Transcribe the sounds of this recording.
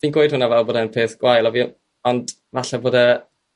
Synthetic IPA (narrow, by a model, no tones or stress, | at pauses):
d̥iːnɡwoɨd̥hʊnavɛlˠboːdanpʰeːθɡ̥wajlˠɔviː | ɔnd | vaɬɛboːdə